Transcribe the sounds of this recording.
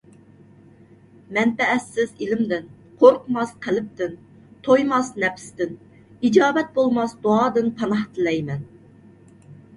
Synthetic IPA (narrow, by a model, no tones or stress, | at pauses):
mɛnt̪ɛːsːɪzilɪmd̪ɪn | qʰoɾqmɑsqʰəlɪp̚t̪ʰɪn | t̪ʰojmɑsnɛpst̪ɪn | id͡ʒɑːbɛt̪̚bolˠmɑsd̪oɑːd̪ɨnqʰɑnɑht̪ʰɨlɛjmɛn